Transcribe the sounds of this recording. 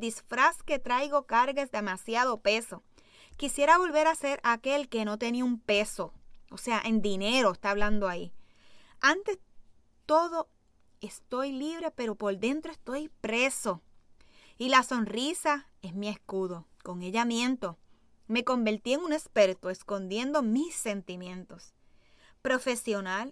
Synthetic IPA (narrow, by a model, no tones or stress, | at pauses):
d̪isfɾaske̞t̪ɾajɣo̞kaɾɣesd̪e̞masjaðo̞pe̞so̞ | kisje̞ɾaβo̞lβe̞ɾase̞ɾake̞lke̞no̞t̪e̞niaumpe̞so̞ose̞aʔe̞nd̪ine̞ɾo̞est̪aβland̪oai | ant̪e̞s | t̪o̞ðo̞ | e̞st̪o̞jliβ̞ɾe̞pe̞ɾo̞po̞ɾðe̞nt̪ɾoe̞st̪o̞jpɾe̞so̞ | ilaso̞nrisae̞smie̞skuðo̞ | ko̞ŋe̞ʎamjẽ̞nt̪o̞ | me̞ko̞mbe̞ɾt̪ie̞ŋune̞spe̞ɾt̪oesko̞nd̪je̞nd̪o̞misːe̞nt̪imje̞nt̪o̞s | pɾo̞fe̞sjo̞nal